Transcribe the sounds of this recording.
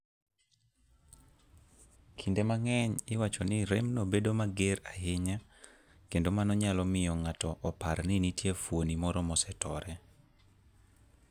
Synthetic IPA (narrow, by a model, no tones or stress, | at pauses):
kʰindemaŋɛɲɪwat͡ʃɔnɪɾemnobedomaɡeɾaɦɪɲa | kendomanɔɲalɔmɪjɔŋatɔʔɔparnɪnitjefwonimɔɾɔmɔsɛtɔɾɛ